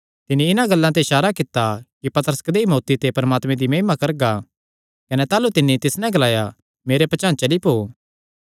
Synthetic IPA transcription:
t̪ɪnːiɪnãɡɐlːãt̪eɪʃaːɾakɪt̪ːakipɐt̪əɾəskɐd̪eimoːt̪it̪epɐɾmaːt̪mẽd̪imɐɦɪmakɐɾɡa | kɐnet̪aːlut̪ɪnːit̪ɪsnɛ̃ɡɐlaːja | meːɾepɐt͡ʃãːnt͡ʃɐlipoː

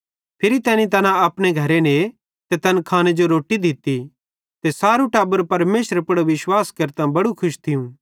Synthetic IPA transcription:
pʰɪɾit̪ɛːnĩt̪̬ɐnãɐpɽ̃eɡʱɐɾene | t̪et̪ɐnkʰaːñed͡ʒoɾoːʈid̪ʱɪt̪i | t̪esaːɾuʈaːbəɾpɐɾmeːʃəɾepɐɽoʋɪʃwaːskɐɾt̪ãbɐɽukʰʊʃt̪ʰɪjũ

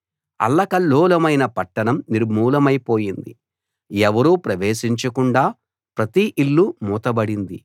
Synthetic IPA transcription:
ɐ̰lːɐkɐlːɔːlɐmɐjnɐpɐʈːɐɳɐmniɾmuːlɐmɐjpo̞ːjind̪ḭ | ɛʋɐɾuːpɾɐʋeːʃiɲt͡ʃɐkuɳɖaː | pɾɐt̪iʔilːumuːt̪ɐbɐɽind̪i

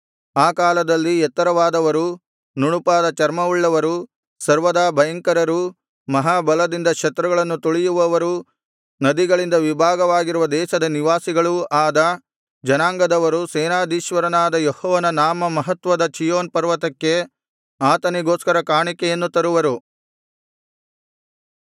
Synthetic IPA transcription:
aːkaːlɐd̪ɐlːiɛt̪ːɐɾɐʋaːd̪ɐʋɐɾu | nuɳupaːd̪ɐt͡ʃɐɾmɐuɭːɐʋɐɾu | sɐɾʋɐd̪aːbʱɐjɐŋkɐɾɐɾu | mɐɦaːbɐlɐd̪ind̪ɐkʂɐt̪ɾɐɡɐɭɐnːut̪uɭijuʋɐʋɐɾu | nɐd̪iɡɐɭind̪ɐʋibʱaːɡɐʋaːɡiɾuʋɐd̪ɛːʃɐd̪ɐniʋaːsiɡɐɭuaːd̪ɐ | d͡ʒɐnaːŋɡɐd̪ɐʋɐɾusɛːnaːd̪ʱiːʃʋɐɾɐnaːd̪ɐjɔhɔːʋɐnɐnaːmɐmɐɦɐt̪ʋɐd̪ɐt͡ʃijoːnpɐɾʋɐt̪ɐkːe̞ | aːt̪ɐniɡoːskɐɾɐkaːɳikɛjɐnːut̪ɐɾuʋɐɾu

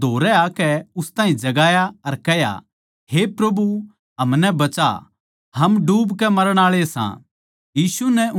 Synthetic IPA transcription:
d̪ʱoːɾɛakɛʊst̪aːɦĩd͡ʒɐɡaːjaɐɾkɛɦja̰ | hepɾɐbu | ɦɐmnɛbɐt͡ʃa̰ | hɐmɖuːbkɛmɐɾəɽ̃aːɭesã̰ | jiːsunɛ

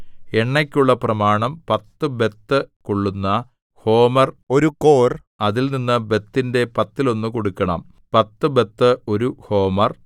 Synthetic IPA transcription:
e̞ɳːɐkʲːuɭːɐprɐmaːɳɐmpɐt̪ːɨbe̞t̪ːɨkoɭːunːɐ | ho̞ːmɐro̞ɾuko̞ːr | ɐðilninːɨbe̞t̪ːinde̞pɐt̪ːilo̞nːɨkoɽukːɐɳɐm | pɐt̪ːɨbe̞t̪ːɨo̞ɾuho̞ːmɐr

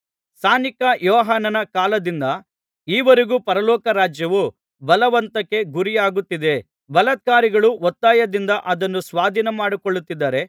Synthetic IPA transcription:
saːnikɐjɔːɦaːnɐnɐkaːlɐd̪ind̪ɐ | iːʋɐɾeɡupɐɾɐlɔːkɐɾaːd͡ʒjɐʋu | bɐlɐʋɐnt̪ɐkːe̞ɡuɾijaːɡut̪ːid̪e̞ | bɐlɐt̪̚kaːɾiɡɐɭuʋɔt̪ːaːjɐd̪ind̪ɐʔɐd̪ɐnːusʋaːd̪ʱinemaːɽikoɭːut̪ːid̪ːɐːɾe̞

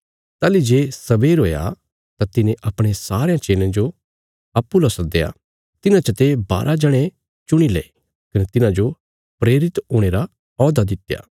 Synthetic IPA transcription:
t̪aːlid͡ʒeːsɐʋeːɾɦoːja̰ | t̪at̪ɪnẽʔɐpɽ̃esaːɾejãt͡ʃeːlẽd͡ʒo | ɐpːulɐsd̪eːa̰ː | t̪ɪnãt͡ʃɐt̪eba̰ːɾʔad͡ʒɐɽ̃ẽ | t͡ʃʊɽ̃ilḛː | kɐnet̪ɪnãd͡ʒo | pɾeːɾɪt̪ɦoːɽ̃eːɾa | ɔːd̪ad̪ɪt̪ja̰ː

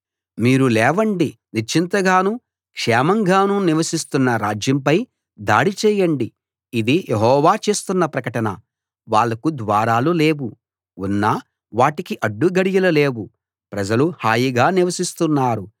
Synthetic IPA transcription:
miːɾulɛːʋɐɳɖi | nit͡ʃːint̪ɐɡaːnu | kʂɛːmɐŋɡaːnuniʋɐsist̪unːɐɾaːd͡ʒjɐmpɐj | d̪a̰ːɽit͡ʃɛːjɐɳɖi | id̪ijʔeɦɔːʋaːt͡ʃe̞ːst̪unːɐpɾɐkɐʈɐnɐ | ʋaːɭːɐkud̪ʋaːɾaːlule̞ːwu | unːaː | ʋaːʈikiʔɐɖːuɡɐɽijɐlɐle̞ːwu | pɾɐd͡ʒɐluhaːjiɡaːniʋɐsist̪unːaːɾu

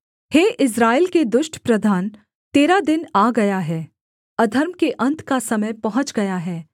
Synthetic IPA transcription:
heːʔɪs̬ɾaːelked̪ʊʃʈʰpɾɐd̪ʱaːn | t̪eːɾad̪ɪnaːɡɐjaɦɛː | ɐd̪ʱəɾmkeʔɐ̃nt̪kasɐməjpɐɦʊ̃t͡ʃɡɐjaɦɛː

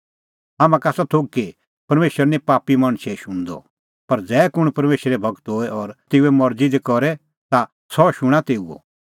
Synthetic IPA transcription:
aːmãkasat̪ʰoːɡ̚ke | pɐɾmeːʃəɾnĩpaːpimɐɽ̃ʃeʃʊ̃ñd̪ɔ̰ | pɐɾd͡zɛːkʊɽ̃pɐɾmeːʃɾɛbʱɐɡt̪ɦoːɛɔɾt̪eːuɛmɐɾd͡zid̪ekɔɾɛ | t̪a | sɔʃʊɽ̃ãt̪eːuo̰

